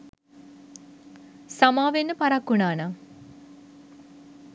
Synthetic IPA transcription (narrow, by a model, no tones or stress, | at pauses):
samaːʋenːəpɐɾakːunaːna